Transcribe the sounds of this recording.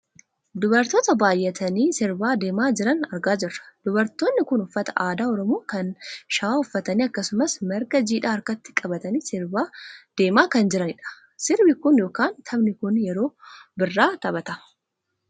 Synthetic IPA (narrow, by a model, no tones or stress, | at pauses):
d̪ʊbɐɾt̪oːt̪ɐbaːjʔːɛt̪ʰɐniːsɪɾbaːd̪e̞ːmaːd͡ʒɪɾɐnɐɾɡaːd͡ʒɪrːɐ̥d̪̥ʊbɐɾt̪oːnːɪkʊnʊfːɐt̪ɐ̥ʔaːd̪aːɔɾɔmoːkɐnʃɐaːʊfːɐt̪ɐniːɐkːɐsʊmɐsmɛɾɡɐd͡ʒiːᶑaːɐɾkɐt̪ːɪ̥kʼɐbɐt̪ɐniːsɪɾbaːd̪̥e̞ːmaːkɐnd͡ʒɪɾɐnɪᶑɐ̥ | sɪɾbɪkʊnjo̞ːkaːnt̪ʰɐbnɪkʊnjɛɾo̞ːbɪrːaːt̪ɐbɐt̪ɐ